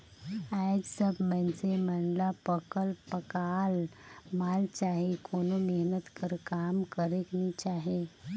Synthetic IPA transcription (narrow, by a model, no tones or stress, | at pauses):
ad͡ʑsəbmənt͡seməɳlapəkəlpəkalmalt͡ɕaɦikʰonumeɦnət̪kəɾkamkəɾeknit͡ɕaɦe